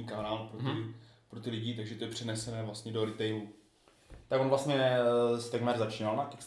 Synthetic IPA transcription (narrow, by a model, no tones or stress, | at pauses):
iːkaɾaːlpɾot̪ɪ | pɾot̪ɪlɪɟɪt̪aɡʒɛt̪ojɛpr̝̥ɛnɛsɛnɛːvlast̪ɲɛdo̞ɾɪt̪ɛjlu | t̪aɡonvlast̪ɲɛst̪ɛɡmɛɾzat͡ʃiːnalnak̪ɛks